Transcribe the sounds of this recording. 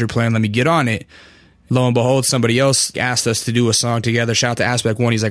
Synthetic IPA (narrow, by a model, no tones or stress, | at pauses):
ə˞pʰl̥æ̃nlɛt̚miɡɛɾn̩ɪt̚ | loʊə̃nbəɦoʊlˠd̥sʌ̃mbɑɾiɛlˠsæstʌstʰɨdɨəsɔ̃ŋtʰɨɡɛðə˞ʃaʊt̪̚ðɨæspɛk̚wʌ̃nizlaɪ